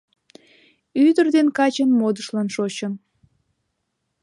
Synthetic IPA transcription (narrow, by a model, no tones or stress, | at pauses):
yd̪ərd̪enkɑt͡ɕənmod̪əʃlɑnʃot͡ɕən